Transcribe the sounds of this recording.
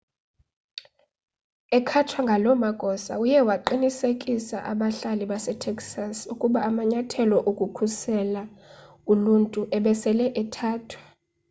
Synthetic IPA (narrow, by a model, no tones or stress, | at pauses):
ɛkʰatʰwaŋɡʱalɔmaɡ̥ʱɔsa̰ujɛwaǃinisekʼisa̰ʔa̰ɓaɬaliɓasɛtʰɛksasukʼuɓaːmaɲatʰɛlɔʔokʼukʰusɛla | uluntʼuʔɛɓɛsɛlɛʔɛtʰaːtʰwḁ